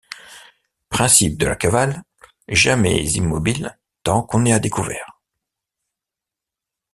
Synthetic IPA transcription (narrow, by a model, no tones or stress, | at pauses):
pχɛ̃sip̚d̪əla̰kaval | ɛʒamɛ̰zimːɔbil | t̪ɑ̃kɔ̃nead̪ekuvɛ̰ːʁ